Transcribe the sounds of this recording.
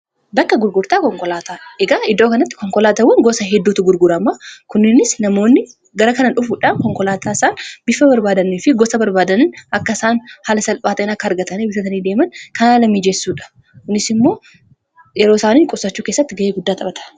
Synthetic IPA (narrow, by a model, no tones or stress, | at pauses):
bɐkːɐɡʊɾɡʊɾt̪aːkɔŋkʼɔlaːt̪aːᶑʔɛɡaːɪd̪o̞ːkɐnɐt̪ːɪ̥kɔŋkɔlaːt̪ɐwɐŋɡɔsɐɦɛd̪ːuːt̪ʊɡʊɾɡʊɾɐmːɐkʊnːɪnɪsnɐmo̞ːnːɪ | ɡɐɾɐkɐnɐᶑʊfʊᶑaːnkɔŋkɔlaːt̪ʰaːɪsaːnbɪfɐbɐɾbaːd̪ɐnːiːfɪɡɔsɐbɐɾbaːd̪ɐnɪnɐkːɐɪsaːnhalɐsɐlpʼaːt̪ɐnɐkːɐɐɾɡɐt̪ɐniːbɪfɐt̪ɐniːd̪e̞ːmɐnkɐnaːlɐmːiːd͡ʒɛsːuːᶑɐ̥ | kʊnɪsɪmːo̞ː | jɛɾo̞ːsaːniːŋkʼʊsɐt͡ʃːuːkeːsːɐt̪ːɪɡɐʔeːɡʊd̪ːaːt̪ʼɐbɐt̪ʰɐ̥